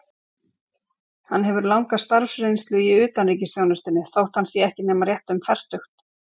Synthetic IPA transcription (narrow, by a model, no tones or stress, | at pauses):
hanɦɛvʏɾlawŋkast̪aɾfsɾejnst̪lʏiʏːt̪anriːcɪsjownʏst̪ɪnːɪθowht̪hansjɛɛhcɪnɛːmarjɛht̪ʏmfɛr̥t̪ʏxt̪